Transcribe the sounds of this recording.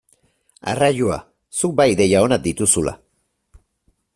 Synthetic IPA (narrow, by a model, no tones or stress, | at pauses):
a̰raʎua̰ | suk̚bajðe̞jao̞nad̪it̪usula̰